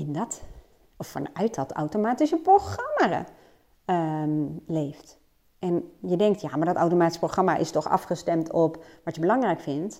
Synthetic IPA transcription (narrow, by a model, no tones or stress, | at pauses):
ɪndɔt | ɔfɑ̰nœɥt̚dɑta̰wtomaːtisəproxrɑmaə̰ | lejft | ʔɛnjədɛŋktjamaːɹdɔtawtomaːti̥səproxrɑmaʔɪ̰stɔxɑ̰fχəstɛmtʰɔpʋɑtjəbəlɑŋrɛjkfɪnt